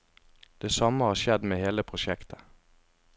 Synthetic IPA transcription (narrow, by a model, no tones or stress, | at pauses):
d̪̥eːsɑməhɑːʃɛd̪meːheːləpʰʁʊʃɛkt̪ʰə̥